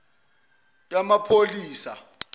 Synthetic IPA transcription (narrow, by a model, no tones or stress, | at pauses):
jʼamapʰoliːsa̰